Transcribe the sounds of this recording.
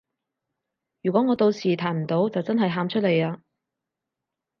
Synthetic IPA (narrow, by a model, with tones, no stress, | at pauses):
jyː˨˩kʷɔː˨˥ŋɔː˨˧t̪o˧wsiː˨˩t̪ʰaː˨˩nm̩˨˩t̪o˨˥wt͡sɐ˨wt͡sɐ˥nɦɐ˨jɦaː˧mt͡ʃʰɵ˥t̚le˨˧jaː˧